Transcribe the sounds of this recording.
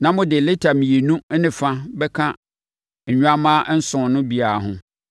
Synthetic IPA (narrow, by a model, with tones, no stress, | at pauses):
nã˦mʊ̃˦dɪ˨le˦tʰa˨mĩ˨e˨nũ˦nɪ̃˨fã˦bɛ˦kʰã˦˨ | ɲũ˦a˦mã˦n̩˦sʊ̃˨nʊ̃˦bi˨a˨ɦʊ̰̃˨˦